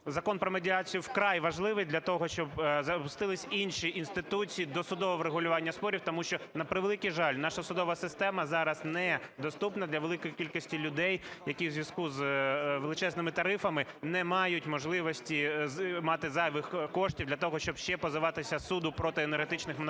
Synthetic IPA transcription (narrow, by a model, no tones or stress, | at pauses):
zɐkɔnpɾɔmedʲiɑt͡sʲijʊwkɾɑjʋɐʒlˠɪʋɪjd̪lʲɐt̪ɔɦɔʃt͡ʃɔbzɐpʊst̪ɪlˠɪsʲinʃiʔinst̪ɪt̪ut͡sʲijid̪ɔsʊd̪ɔʋɔʋɾeɦʊlʲʊʋɑnʲːɐspɔɾʲiwt̪ɔmuʃt͡ʃɔnɐpɾɪʋelˠɪkiʒɑlʲnɑʃɐsʊd̪ɔʋɐsɪst̪ɛmɐzɑɾɐznɛd̪ɔst̪upnɐd̪lʲɐʋelˠɪkɔjikʲilʲkɔsʲtʲilʲʊd̪ɛjjɐkʲiwzʲʋʲjʲɐskuzʋelˠɪt͡ʃɛznɪmɪt̪ɐɾɪfɐmɪnɛmɑjʊtʲmɔʒlˠɪʋɔsʲtʲimɑt̪ɪzɑjʋɪxkɔʃtʲiʋwd̪lʲɐt̪ɔɦɔʃt͡ʃɔb̥ʃt͡ʃɛpɔzɪʋɑt̪ɪsʲɐsud̪ʊpɾɔt̪ɪenerɦet̪ɪt͡ʃnɪxmn